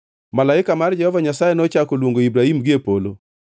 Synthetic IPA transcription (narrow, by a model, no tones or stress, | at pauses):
malaɪkamard͡ʒɛhɔvaɲasajenɔt͡ʃakolwoŋɡoibɾahimɡɪepolo